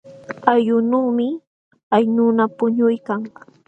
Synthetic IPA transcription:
ajʊnuːmɪ | ajnunapʊɲʊjkaŋ

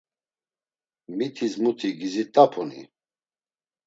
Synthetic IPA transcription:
mit̪ʰizmut̪ʰiɡizit̪ʼapʰunḭ

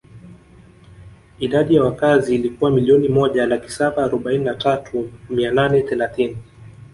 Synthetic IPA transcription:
iɗaɗijawakaziːlikuwamiliɔnimɔʄalaki̥saɓaːɾɔɓaininatatʰumiananɛθɛlaθini

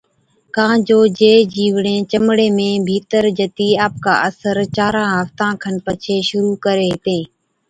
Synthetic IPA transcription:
kãːd͡ʒoːd͡ʒeːd͡ʒiːʋɳẽːt͡ʃəmɽeːmẽːbʱiːt̪əɾd͡ʒət̪iːaːp̚ka̰ːʔəsəɾt͡ʃaːɾãːɦəft̪ãːkʰənpət͡ʃʰeːʃʊɾuːkəɾeːɦt̪ẽː

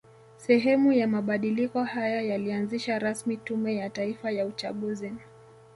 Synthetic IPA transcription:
sɛɦɛmujamaɓaɗilikɔhajajalianziʃaɾasmitumɛjataifajaut͡ʃaɠuzi

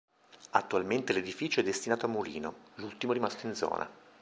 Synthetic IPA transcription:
at̪ːualment̪eled̪ifiːt͡ʃoɛd̪ːest̪inaːt̪oamːulḭːnolult̪imoɾimast̪oind̪zɔ̰ːnʔa̰

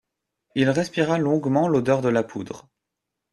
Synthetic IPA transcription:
ilʁɛspiʁalɔ̃ɡmɑ̃lod̪œʁd̪əlapʰud̪ʁ

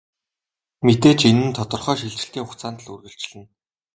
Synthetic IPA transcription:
met̪eːt͡ɕenɘ̆nt̪ʰɔt̪ɞ̆rχœːʃiɮt͡ɕɪ̆ɬt̪iːŋχʊkt͡saːnt̪ə̆ɮṵrɣɘ̆ɬt͡ɕɮɘ̆n

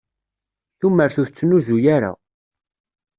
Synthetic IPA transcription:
θumːəɾθuθət͡sːənuzujaɾa̰

